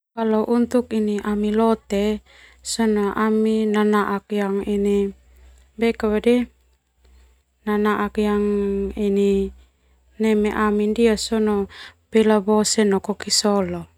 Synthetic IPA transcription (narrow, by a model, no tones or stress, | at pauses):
kalaʔunt̪ukiniʔamilɔt̪ɛ | sɔnɔʔaminanaʔak̚jaŋini | bɛkawadɛ | nanaʔakjaŋini | nɛmɛʔamindiasɔnɔpɛlabɔsɛnɔkɔkisɔlɔ